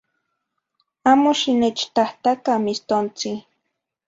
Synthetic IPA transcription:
amoʃinet͡ʃt̪aht̪akamist̪ont͡sɪ

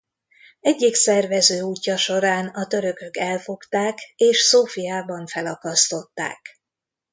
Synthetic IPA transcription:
ɛɟːiksɛrvɛzøːuːcːɒʃo̞ɾaːnɒt̪ø̞ɾø̞kø̞kɛlfo̞kt̪aːkeːʃsoːfijaːbɒɱfɛlɒkɒst̪o̞t̪ːa̰ːk

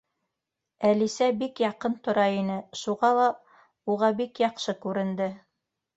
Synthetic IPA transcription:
ælisæbikjɑqɤnt̪ŏɾɑinɘʃuʁɑlˠɑ | uʁɑbikjɑqʃɤkʉɾɘ̆nd̪ɘ

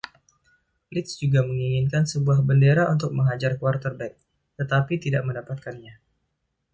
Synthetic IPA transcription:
lɪt̪sd͡ʒuɡaməŋiŋɪnkansəbuahbəndeɾaʔunt̪ʊk̚məŋad͡ʒarkuart̪ərbɛk̚ | t̪ət̪apit̪idaʔ̚məndapat̪̚kanɲa

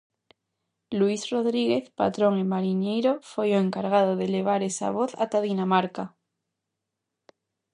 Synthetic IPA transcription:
luisro̞ðɾiɣe̞θpa̰t̪ɾo̞ŋimaɾiɲejɾofojoeŋkaɾɣ̞að̞oðele̞β̞aɾe̞sa̰β̞o̞θa̰t̪aðinamaɾka

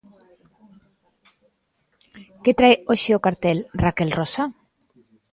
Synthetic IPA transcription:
ket̪ɾajoʃeokaɾt̪elrakelrosa

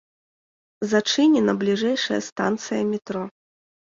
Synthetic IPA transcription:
zat͡ʂɨnʲɛnɐblʲiʐɛjʂɐjɐ̰st̪a̰nt̪sɨjɐmʲɛt̪ɾɔ

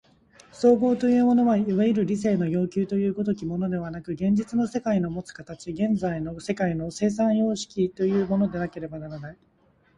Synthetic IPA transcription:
so̞ːɡo̞ːt̪o̞jɯ̟ːmo̞no̞βaiβaiɾɯ̟ɾʲis̬e̞ːno̞jo̞ːkʲɨːt̪o̞jɯ̟ːɡo̞t̪̬o̞kʲimo̞no̞d̪e̞β̞anakɯ̟ɡẽ̞ɲ̟d͡ʑit͡sɨno̞se̞kaino̞mo̞t͡sɨ̥kat̪at͡ɕiɡẽ̞nd͡zaino̞se̞kaino̞se̞ːs̬ãɰ̃jo̞ːɕi̥kʲit̪o̞jɯ̟ːmo̞no̞d̪e̞nake̞ɾe̞banaɾanai

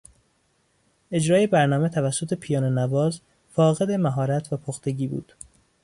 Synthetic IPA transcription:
e̞d͡ʒɾɒːjebæɾnɒːme̞t̪ʰævæsːot̪ʰe̞pʰijɒːnenæbɒːz | fɒːɣe̞d̪e̞mæɦɒːɾæt̪ʰvæpʰoxt̪e̞ɟiːbṵːd̪̥

